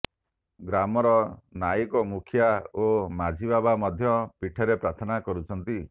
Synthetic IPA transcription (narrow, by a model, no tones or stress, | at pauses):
ɡɾamɔɾɔnaikɔmukʰjaomad͡ʒʱibabamɔd̪ʱjɔpiʈʰɔɾepɾat̪ʰɔnakɔɾut͡ʃʰɔnt̪i